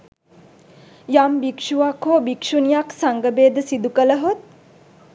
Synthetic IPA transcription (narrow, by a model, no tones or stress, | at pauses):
jambikʂuʋakoːbikʃunijaksaŋɡəbeːd̪əsid̪ukələɦot̪̚